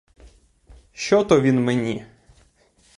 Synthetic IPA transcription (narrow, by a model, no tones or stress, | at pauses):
ʃt͡ʃɔt̪ɔʋʲinmenʲi